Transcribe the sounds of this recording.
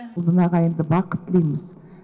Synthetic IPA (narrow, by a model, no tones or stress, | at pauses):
lˠd̪ənɑʁɑjənd̪əbɑqət̪ːlˠijmɪz